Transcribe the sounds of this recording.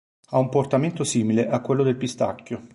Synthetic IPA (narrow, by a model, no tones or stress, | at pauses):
aumport̪ament̪osiːmileʔakːwelːod̪elpist̪a̰kʲːo